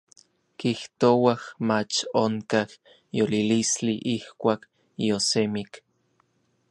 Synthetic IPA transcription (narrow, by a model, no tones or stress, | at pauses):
kiht̪owahmat͡ʃoŋkah | jolilisliʔihkʷaːk | josemik